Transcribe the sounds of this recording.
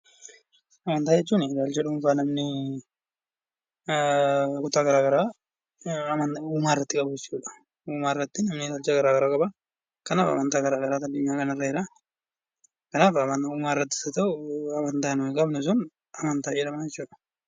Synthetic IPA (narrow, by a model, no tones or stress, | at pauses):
ɐmɐnt̪aːd͡ʒɛt͡ʃːuːnɪd̪aːlt͡ʃɐᶑʊfaːnɐmnɪ | kʊt̪ːaːɡɐɾaːɡɐɾaː | mɐuːmaːrːɐt̪ːɪkʼɐbʊd͡ʒɛt͡ʃːuːᶑɐ̥ | uːmaːɪrːɐt̪ːɪnɐmnɪd̪aːlt͡ʃɐɡɐɾaːɡɐɾaːkʼɐba | kɐnaːfɐ̰mɐnt̪aːɡɐɾaːɡɐɾaːt̪ɐd̪ːʊɲːaːkɐnɐrːɐhɪɾaː | kɐnaːfɐmɐuːmaːrːɐt̪ːɪ̥sɐt̪ɐʊɐmɐnt̪aːnʊɪkʼɐbnʊs̬ʊn | ɐmɐnt̪aːjɛᶑ̪ɐmaːd͡ʒɛt͡ʃːuːᶑɐ̥